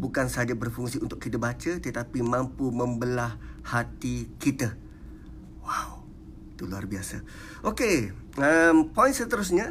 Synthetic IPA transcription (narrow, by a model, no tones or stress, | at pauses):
bukansəɦad͡ʒabərfuŋsiunt̪ʊkːit̪əbat͡ʃət̪ət̪apimãmpumə̃mbəlahhat̪ikit̪ə | waw | it̪ulua̰rbiasa | ʔokeəmpɔjnsət̪əɾʊs̬ɲa